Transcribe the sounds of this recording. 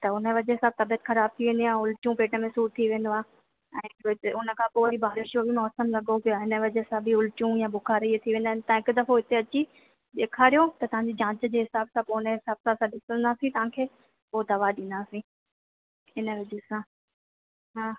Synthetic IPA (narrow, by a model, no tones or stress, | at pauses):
t̪ɐʊnəʋɐd͡ʑɦɪsaːb̚t̪ɐbijət̪xɐɾaːb̚t̪ʰiʋẽːnd̪ijaʊlt͡ɕũpeːʈəmẽsuːʈ̚t̪ʰiʋẽːn̆d̪oaː | ɛ̃ːɪkʊnə̆kʰãːpoːʋɐɾibʱaːɾɪʃjobʱimɔːsəmlɐɠopijaɦɪnəʋɪd͡ʑəsãbɪʊlt͡ɕũjãːbʊkʰaːɾiet̪ʰiʋẽːnd̪aːnɪt̪ãɪkd̪ɐfoɦɪt̪eɐt͡ɕi | ɗeːkʰaːɾijot̪ɐt̪ɐʋ̤ãɲd͡ʑid͡ʑãːt͡ɕəd͡ʑeːɦɪsaːbsãponəɦɪsaːbsãsãɗɪsə̃nd̪aːsĩt̪ɐʋ̤ãkʰeː | poːd̪ɐʋaɗɪ̃nd̪aːsĩː | ɪnəʋɪd͡ʑəsã | ɦaː